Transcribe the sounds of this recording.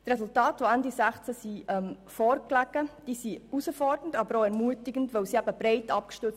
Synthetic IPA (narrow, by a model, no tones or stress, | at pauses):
t̪resultɑːtʋoændisæχt͡səsiʔɛm | fɔːɾklæɡəd̥iːsiusəfɔɾdən̩tɑbəɾoɛɾmuətɪɡ̥əntʋɛwsiæbəb̥ɾeɪtɑp̚kʃtʏt͡s